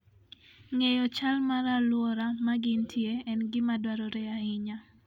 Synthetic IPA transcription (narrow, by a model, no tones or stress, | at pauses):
ŋejɔt͡ʃalmaɾalwɔɾamaɡɪntʰjeɛnɡɪmadwaɾɔɾɛaɪɲa